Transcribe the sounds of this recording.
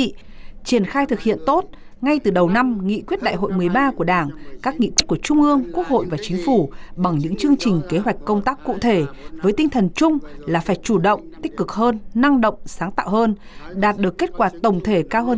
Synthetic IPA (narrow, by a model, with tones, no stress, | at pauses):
t͡ɕi˧˩ənxaː˧jt̪ʰɨ˨˩k̚hḭ˧˨ənt̪o˦˥t̚ | ŋa˧jt̪ɨ˨˩ɗə˨˩wna˧mŋḭ˧˨kwi˦˥t̚ɗa̰ː˧˨jɦo̰˧˨jmɨ˨˩əjɓaː˧ku˧˩əɗaː˧˩ŋkaː˦˥k̚ŋḭ˧˨kwi˦˥t̚ku˧˩ət͡ɕʊ˧ŋ͡mʔɨ˧əŋku˦˥ək̚ho̰˧˨jvaː˨˩t͡ɕï˨˦ŋ̟fu˧˩ɓa˨˩ŋɲɨ̰˧˥ŋt͡ɕɨ˧əŋt͡ɕï˨˩ŋ̟ke˨˦ɦwa˨˩jk̟̚kə˧wŋ͡mt̪aː˦˥kːṵ˧˨t̪ʰe˧˩vəː˨˦jt̪ï˧ŋ̟t̪ʰə˨˩nt͡ɕʊ˧ŋ͡mlaː˨˩faː˧˩jt͡ɕu˧˩ɗə̰˧˨wŋ͡mt̪ï˦˥k̟̚kɨ˨˩k̚həː˧nːa˧ŋɗə̰˧˨wŋ͡msaː˨˦ŋt̪a̰ː˧˨whəː˧n | ɗaː˨˩t̚ɗɨ˨˩əkːe˦˥t̚kwaː˧˩t̪ə˨˩wŋ͡mt̪ʰe˧˩kaː˧wɦəː˧